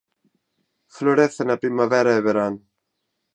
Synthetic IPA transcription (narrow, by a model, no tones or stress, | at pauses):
floɾeθenapɾimavɛɾaeβeɾan